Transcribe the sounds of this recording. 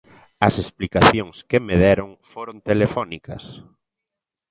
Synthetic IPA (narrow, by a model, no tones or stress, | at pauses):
ɐsesplikaθjoŋskemeðɛɾoŋfoɾont̪elefɔnikɐ̰s